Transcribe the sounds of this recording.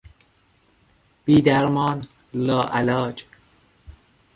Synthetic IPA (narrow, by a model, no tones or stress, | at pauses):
b̥iːd̪æɾmɒːn | lɒːʔælɒːd͡ʒ